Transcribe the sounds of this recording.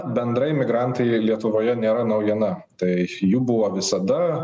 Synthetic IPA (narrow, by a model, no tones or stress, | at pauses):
bʲɛnd̪ɾɐɪmʲɪɡɾɑˑnt̪ɐɪlʲiɛt̪ʊʋoːjɛnʲeːɾɐnɐʊjɛnɐt̪ɐɪjuːbʊʋoːʋʲɪsɐd̪ɐ